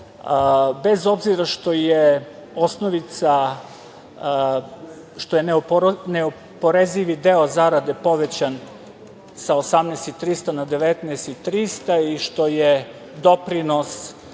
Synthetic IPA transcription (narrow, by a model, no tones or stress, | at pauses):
bezo̞bziɾaʃt̪o̞jeosnoʋit̪sa | ʃt̪o̞jenneo | poɾeziʋid̪eozaɾad̪epo̞ʋet͡ɕan | saosamnɛst̪it̪ɾist̪anad̪eʋet̪nɛːst̪it̪ɾist̪aiʃt̪o̞je | d̪o̞pɾinos